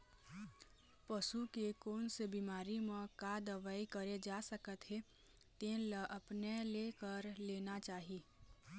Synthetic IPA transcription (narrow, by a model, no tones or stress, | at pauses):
pəʃukekoːnsebiːmaːɾimẽkad̪əʋaːikəɾed͡ʒaːsəkət̪ɦe | t̪ẽləʔəpneleːkəɾleːnat͡ʃaːɦiː